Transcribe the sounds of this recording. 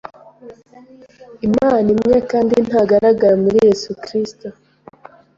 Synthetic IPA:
imaːnimŋe̞kaːndin̥haɡaɾaɡaɾamuɾije̞sukɾisto

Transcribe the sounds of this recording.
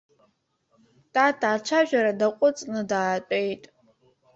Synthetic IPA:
tʼatʰat͡ʃʷʰaʒᶣʷaɾadaqʷʼʊt͡sʼnɨdaːtʷʼe̞jtʼ

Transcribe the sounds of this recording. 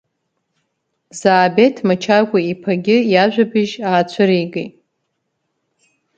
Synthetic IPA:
zaːbe̞tʰmat͡ʃʰakʷʼaipʰaɡʲɪjaʒᶣʷabɨʒaːt͡ɕʷʰʊɾijɡḛtʼ

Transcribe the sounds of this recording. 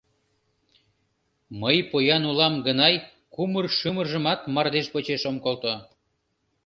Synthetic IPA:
məjpojɑnulɑmɡənɑj | kumərʃɯmərʒə̆mɑt̪mɑrd̪eʃpot͡ɕeʃomkolt̪o

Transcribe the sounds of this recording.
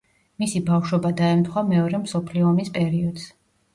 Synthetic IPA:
misibafʃwɛbad̪aɛmt̪ʰχwamɛɔɾɛmsɔpʰliɔːmispʼɛɾiɔd̪̥s

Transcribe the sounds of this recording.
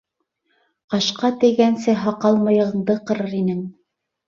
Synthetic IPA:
qɑʃqɑt̪ɘ̆jɡænsɘɦɑqɑlˠmɤ̆jɤ̆ʁɤ̆ɴd̪ɤqɤ̆ɾɤɾinɘŋ

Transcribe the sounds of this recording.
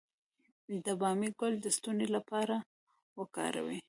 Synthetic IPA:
d̪əbɑmiɡʊld̪əst̪unelapɑɾa | wəkɑ̰ɾa̰wi

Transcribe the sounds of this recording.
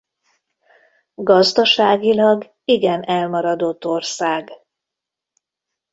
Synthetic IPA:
ɡɒzd̪ɒʃaːɡilɒɡ | iɡɛnɛlmɒɾɒd̪o̞t̪ːorsaːɡ

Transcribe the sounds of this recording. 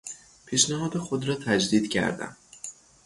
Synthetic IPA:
pʰiːʃnæɦɒːd̪exod̪ɾɒːt̪ʰæd͡ʒd̪iːd̪̥cʰæ̰ɾd̪æ̰m

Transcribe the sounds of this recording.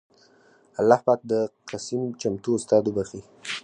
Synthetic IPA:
alːɑhpɑt̪̚d̪əqasimt͡ʃamt̪uːst̪ɑd̪obaxi

